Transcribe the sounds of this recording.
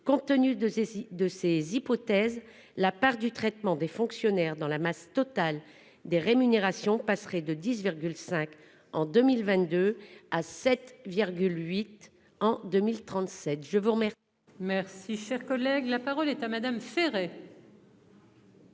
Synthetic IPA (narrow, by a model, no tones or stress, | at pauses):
kɔ̃t̪ənyd̪əsezipɔt̪ɛz | lapaʁd̪yt̪χɛt̪mɑ̃d̪efɔ̃ksjɔnɛʁd̪ɑ̃lamast̪ɔt̪al | d̪eʁemyneʁasjɔ̃pasχɛd̪əd̪isviʁɡʲylsɛ̃k | ɑ̃d̪ømilvɛ̃t̪̚d̪øasɛt̪viʁɡʲylɥit̪ | ɑ̃d̪ømilt̪χɑ̃t̪sɛt̪ʒəvuʁəmɛi | mɛʁsiʃɛʁkɔlɛɡlapaʁɔlɛt̪amad̪amfeʁɛ